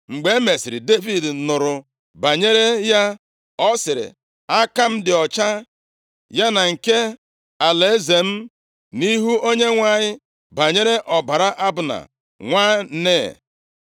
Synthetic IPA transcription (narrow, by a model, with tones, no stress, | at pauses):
ŋ͡m̩˨ɡ͡be˨˦me˨sɪ˨ɾɪ˨de˦vi˨d̩˨nʊ˨ɾʊ˨ | ba˨ɲe˦ɾe˦ja˦ | ɔ˦sɪ˨ɾɪ̰˨ | a˦ka˦m̩˦dɪ˨ɔ˨t͡ʃa˦ | ja˦na˨ŋ̩˨ke˦ | a˨le˨e˦ze˨m̩˦ | ni˦ɦu˦o˦ɲe˦ŋʷa˦˨ɲɪ˦ | ba˨ɲe˦ɾe˦ʔɔ˨ba˨ɾa˦ʔa˦bʊ˨na̰˨ | ŋʷaː˦ne˦˨